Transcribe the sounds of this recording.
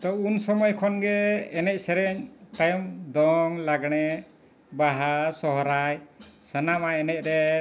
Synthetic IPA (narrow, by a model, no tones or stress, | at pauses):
t̪ɔunsɔmɔjkʰɔnɡɛɛnɛc̚ˀsɛɾɛɲt̪ajɔmd̪ɔŋlaɡɳ̃ɛ | baɦasɔɦɾajsənamaɛnɛc̚ɾɛ